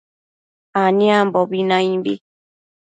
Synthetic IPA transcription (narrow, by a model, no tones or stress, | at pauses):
anĩambɔbinãĩmbḭ